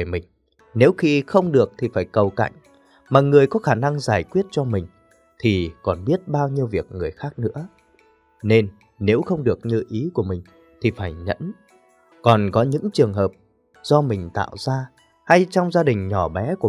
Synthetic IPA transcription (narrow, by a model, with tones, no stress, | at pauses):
e˧˩mï˨˩ŋ̟ | ne˨˦wxi˧xə˧wŋ͡mɗɨ˨˩ək̚t̪ʰi˨˩faː˧˩jkə˨˩wka̰˧˨jŋ̟ | maː˨˩ŋɨ˨˩əjkɔ˨˦xaː˧˩na˧ŋzaː˧˩jkwi˦˥ət̚t͡ɕɔ˧mï˨˩ŋ̟ | t̪ʰi˨˩kɔ˨˩nɓi˦˥ət̚ɓaː˧wɲi˧əwvi˨˩ək̚ŋɨ˨˩əjxaː˦˥k̚nɨ̰˧˥ə | ne˧nː | e˨˦wxə˧wŋ͡mɗɨ˨˩ək̚ɲɨ˧ʔi˨˦ku˧˩əmï˨˩ŋ̟ | t̪ʰi˨˩faː˧˩jɲə̰˧˥n | kɔ˨˩nkɔ˨˦ɲɨ̰˧˥ŋt͡ɕɨ˨˩əŋɦəː˨˩p̚ | z̥ɔ˧mï˨˩ŋ̟t̪a̰ː˧˨wzaː˧ | ha˧jt͡ɕɔ˧wŋ͡mzaː˧ɗï˨˩ŋ̟ɲɔ˧˩ɓɛ˨˦ku˧˩˨